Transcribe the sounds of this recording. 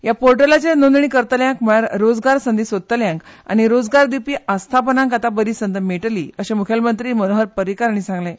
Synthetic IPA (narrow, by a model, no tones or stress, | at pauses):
japoɾʈəlat͡senond̪ɳikəɾt̪əljãŋkm̤əɭjaɾɾod͡zɡaɾsənd̪iːsʋod̪̚t̪ːəljãŋka̰ɽ̃iɾod͡zɡaɾd̪ipiːʔast̪ʰapənãŋkat̪abəɾiːsənd̪əmeʈlḭəɕemukʰjəlmənt̪ɾiːmənoɦəɾpəɾikaɾɳ̃isãŋɡle